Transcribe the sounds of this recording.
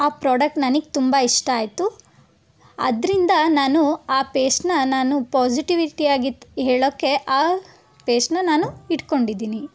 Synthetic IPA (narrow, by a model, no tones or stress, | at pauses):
aːpɾaːɖɐk̚ʈnɐniɡet̪umbɐiʂʈɐːjt̪u | ɐ̰d̪ɾind̪ɐnaːnuaːpeːsnɐnaːnupaːd͡ʒiʈiʋiʈiaːɡiɦeːɭoːkːe̞ʔaː | peːsnɐnaːnuiʈko̞ɳɖid̪iːni